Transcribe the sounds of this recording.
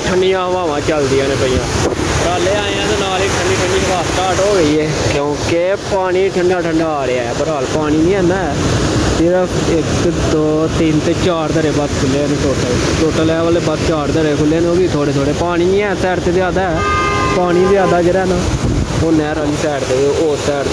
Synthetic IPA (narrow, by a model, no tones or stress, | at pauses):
ʈʰəɳɖiːãːʋãːʋãːt͡ʃəld̪iːãːnẽːpəijãːɾaːleːaːãːd̪eːnaːlɪʈʰəɳɖiːʈʰəɳɖiːbaːsʈaːʈoːɡəiːɛː | kjõːkepaːɽiːʈʰəɳɖaːʈʰəɳɖaːɾeːaɛbəɾaːlpaːɽ̃iːnĩːɛːnaːɛːsɪɾəpʰɪkd̪oːt̪ɪnt̪eːt͡ʃaːɾd̪əɾeːbəskʰʊlːeːneːʈoːʈəl | ʈoːʈəlɛːʋəːleːbəst͡ʃaːɾd̪əɾeːkʰʊlːeːnoːbiːt̪ʰoːɽeːt̪ʰoːɽeːpaːɽ̃iːniɛːsɛːɾt̪eːd̪aːd̪aːɛː | paːɽ̃iːzɪaːd̪aːd͡ʒɪɾɛːnaːonɛ̃ːɾaːliːsɛːɾt̪eːoːsɛːɾ